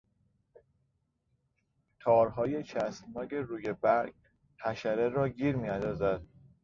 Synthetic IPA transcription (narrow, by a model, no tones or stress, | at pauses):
t̪ʰɒːɾɦɒːje̞t͡ʃʰæsnɒːɡe̞ɾuːje̞bæɾɡ | hæʃæɾeɾɒːɟiːɾmiːænd̪ɒːzæd̪̥̚